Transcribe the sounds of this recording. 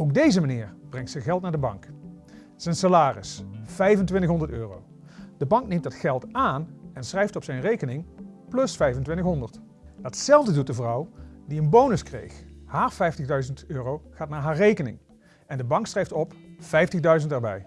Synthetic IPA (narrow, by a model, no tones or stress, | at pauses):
owk̚dejzəmanɪ̰ːɹb̥rɛŋtsɛɣɛlˠtnaːɹdəbɑ̰ŋk | sɛjnsalaːrɪ̰sfɛjvəntʋɪntəχɦɔndəɹtøːro̰w | d̥əbɑŋk̚nejmtdɑtχɛlˠtaːnɛnsrɛjftɔpsɛjnrejkənɪŋplɵsfɛjvəntʋɪntəxɦɔndəɹt | d̥ɑtsɛlˠvdədut̚dəvrʌwdiənbownəskrḛjxhaːɹfɛjftəɣdœɥzəntøːrowχaːtnaːɹɦaːɹrejkənɪ̰ŋ | ɛndəbɑŋksrɛjftɔpfɛjftəɣdœɥzəntɛɹbɛ̰j